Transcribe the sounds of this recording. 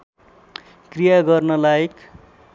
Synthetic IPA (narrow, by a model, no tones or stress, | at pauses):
krijaɡʌrnʌlajek